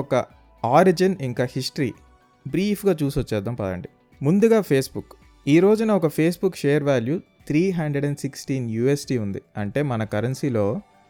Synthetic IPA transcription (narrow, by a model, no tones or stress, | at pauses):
ɔkɐ | aːɾid͡ʒɐniŋkaːhiʂʈɐɾḭː | bɾiːpʰɡaːt͡ʃuːsɐt͡ʃːɛːd̪ːɐmpɐd̪ɐ̰ɳɖi | mund̪uɡaːpʰe̞ːsbuk | iːɾo̞ːd͡ʒunɐɔkɐpʰe̞ːs̬bukːʃeːjɐɾʋaːlju | t̪ʰɾiːɦɐɳɖɾeɽɛɳɖsiksʈiːnjuːesʈiːund̪iɐɳʈe̞ːmɐnɐkɐɾɐnsiːlo̞ː